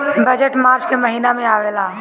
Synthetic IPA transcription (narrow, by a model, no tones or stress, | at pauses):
bəd͡ʒəʈmaːɾt͡ʃkeməɦiːnamẽaːʋeːlaː